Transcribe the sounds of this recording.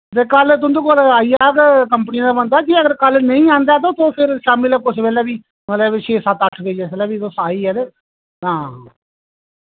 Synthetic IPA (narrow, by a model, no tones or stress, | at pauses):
d̪eːkəlt̪̬ʊ̃nd̪oːkoːlaːiːaːkkəmpənĩãːd̪aːbənd̪aːkiəɡəɾkəlnəĩːãːnd̪aːt̪̬õːt̪õːpʰɪɾʃaːmɪlːkʊsʋɛːlɛːʋiː | mɛlɛːʋɪʃʰeːsaːt̪əʈʰːʋeːd͡ʒeːsɛlɛːʋiːt̪oːsaːiːɛːd̪e | ɦãː